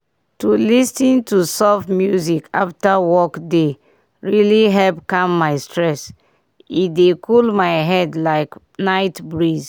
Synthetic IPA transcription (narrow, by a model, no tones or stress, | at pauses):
tulistĩntusɔvmjuzikʰa̰ftawɔkde | ɹiliɦɛlpkãmːaɪstɹɛs | idekʰulmaɪɦɛdlaɪk | naɪtbɹiz